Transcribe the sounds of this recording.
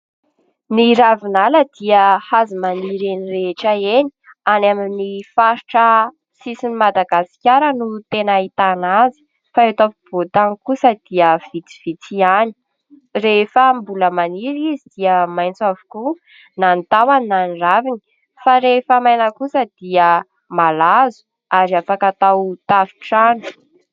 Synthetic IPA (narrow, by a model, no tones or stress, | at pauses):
niɾavinaləd̪̥iəhazimaniɾenireʈ͡ʂəeni̥ | anaminifaɾiʈ͡ʂə | sisinimad̪aɡasi̥kʲaɾənut̪enait̪anazi̥ | faet̪ofib̥ot̪aŋikusəd̪̥iəv̥it͡si̥v̥it͡siani̥ | refəmbuləmaniɾizid̪iəmajnt͡savu̥ku | nant̪awaninaniravini̥ | faɾefamajnəkusəd̪̥iə | malazu̥ | aɾiafakat̪awt̪avi̥ʈ͡ʂanu̥